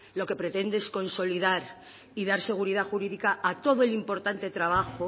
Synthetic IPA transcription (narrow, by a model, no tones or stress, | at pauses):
lo̞ke̞pɾe̞t̪e̞nd̪eesko̞nso̞liðaɾ | iðaɾse̞ɣ̞uɾiðaxuɾiðikaat̪o̞ð̞oe̞limpo̞ɾt̪ant̪e̞t̪ɾaβ̞axo